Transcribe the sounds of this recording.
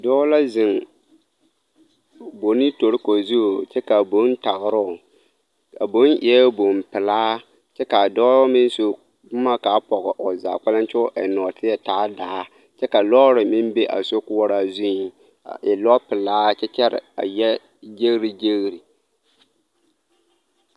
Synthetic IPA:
dɔː˦la˦zɪ˨ŋ˨ | bo˨ni˦to˨ɾɪ˦ko˨zu˦o˨t͡ʃɛ˦ka˨bo˦n˦ta˨ɣɾʊ˦ʊ˨ | a˨bo˨˦nʔɪ˨ɛ˦bo˨mpɪ˨laː˦ | t͡ʃɛ˦ka˨dɔː˦mɪ˦n˦so˦ | kʊ˦ma˦ka˨˦pɔ˨ɣɪ˨ʔɔ˨za̰˨k͡pa˦la˦nt͡ʃʊ˦ʔɛ˨nɔː˨tʰɪ˦ɛ˨taː˨˦daː˨˦ | t͡ʃɛ˦ka˨lɔ˦ɾɪ˨mɪ˦mbe˦ʔa̰˨so˦kʊ˦wɔ˦ɾa˦zu˦˨ | ɪ˨lɔ˦pɪ˨laː˦t͡ʃɛ˦t͡ʃɛ˦ɾɪ̰˨a̰˨jɛ˦ | d͡ʒe˦ɣɾi˦d͡ʒe˦ɣɾi˨

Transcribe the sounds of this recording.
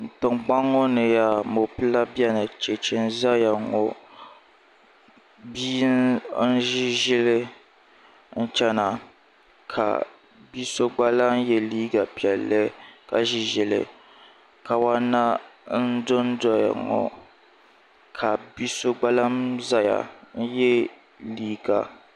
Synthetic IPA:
n̩˨tɨ˨ŋ͡mk͡pa˦ŋɔ˦nɨ˨ja˨mo˨pɨ˦la˦bi˦ɛ˦nɨ˨t͡ʃe˨t͡ʃɪ˦n̩˦za˦ja˨ŋɔ̰˨ | biː˦nn̩˦ʒi˦ʒi˦lɨ˦ | n̩˦t͡ʃɛ˦na˨ | kʰa̰˨ | bi˦so˦ɡ͡ba˦la˦n˦jɛ˦liː˦ɡa˨pi˨ɛ˨lːɨ˦ka˨ʒi˦ʒi˨lɨ̰˨ | ka˨wa˦na˦n̩˦dʊ˦n˦dɔ˨˦ja̰˨ŋɔ̰˨ | kʰa˨bi˦so˦ɡ͡ba˦la˦mza˦ja̰˨n̩˦jɛ˦ | liː˦ɡa̰˨

